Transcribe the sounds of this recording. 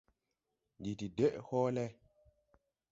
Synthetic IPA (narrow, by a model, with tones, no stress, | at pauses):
di˨ti˨de˦ʔhoː˦lɛ˦